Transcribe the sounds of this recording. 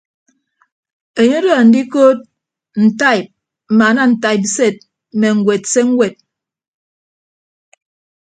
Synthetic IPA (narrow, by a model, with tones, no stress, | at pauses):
e˨ɲo˦də˦˨n̩˨di˦ko˦t̚ | n̩˨ta˦˨i˨p̚ | m̩˨ma˨na˦n̩˨ta˦i˨p̬̚se˦˨t̚ | me˨ŋ̩˨ɡwe˨tse˦ŋ̩˦we˨t̚